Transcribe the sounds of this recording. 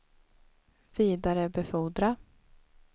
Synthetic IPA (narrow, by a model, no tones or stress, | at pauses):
v̥iːd̪aɾəbɛfuːd̪ɾa